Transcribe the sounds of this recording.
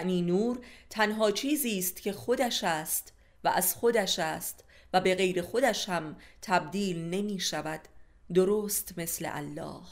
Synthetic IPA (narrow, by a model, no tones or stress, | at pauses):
ʔniːnuːɾt̪ʰænɦɒːt͡ʃʰiːziːst̪cʰe̞xo̞d̪æʃæːst̪ | væʔæz̥χxo̞d̪æʃæːst̪ | væbe̞ɣe̞jɾe̞xo̞d̪æʃhæmt̪ʰæb̚d̪iːlne̞miːʃævæd̪̥ː | o̞ɾoːst̪me̞slḛʔæ̰lːɒ̰ːh